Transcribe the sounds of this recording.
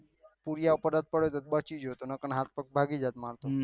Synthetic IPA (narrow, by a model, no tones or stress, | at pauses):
puɾjaopəɾət̪̚pəɽot̪ot̪̚bət͡ʃid͡ʒɦot̪onəkənɦat̪̚pək̚bʱaɡid͡ʒat̪maɾt̪o